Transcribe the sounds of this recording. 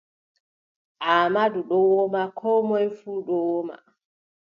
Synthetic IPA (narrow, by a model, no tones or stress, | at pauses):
ʔamaduɗɔwɔmakʰɔmɔjfuːɗɔwɔma̰